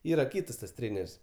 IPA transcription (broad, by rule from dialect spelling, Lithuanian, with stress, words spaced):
ˈiːrɐ ˈkʲiːtɐs tɐs ˈtʲrʲeːnʲɛrʲsʲ